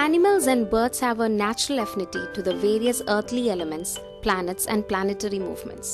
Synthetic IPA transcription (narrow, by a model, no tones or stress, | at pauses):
ænɪməlzæ̃nɖbəːt̪shæʋənæt͡ʃəɾəlɛfɪnɪʈḭʈud̪əʋeːɾiəsəːt̪ʰliɛləmə̃nʈs | plænəʈsɛ̰̃nɖplænɪʈəɾimṵːʋmə̰̃nʈs